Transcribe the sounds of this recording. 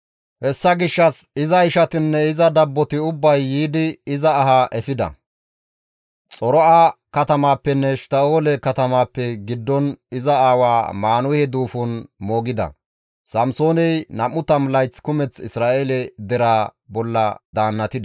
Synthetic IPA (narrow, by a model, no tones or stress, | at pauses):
hɛsːɐɡɪʃːɐsɪzɐɪʃɐt̪ɪnːɛɪzɐd̪ɐbːɔt̪ɪʊbːɐjːiːd̪ɪɪzɐːhaʔɛfɪd̪ɐ̰ | t͡sʼɔɾɔaːkɐt̪ɐmaːpːɛnːɛʃt̪ɐo̞ːlɛkɐt̪ɐmaːpːɛɡɪd̪ːɔnɪzɐaːwaːmaːnʊhɛd̪uːfʊnmo̞ːɡɪd̪ɐ̰ | sɐmsoːnɛjnɐmːʊt̪ɐmlɐjt͡skʊmɛt͡sɪsɾaːʔeːlɛd̪ɛɾaːbɔlːɐ̰d̪aːnːɐt̪ɪd̪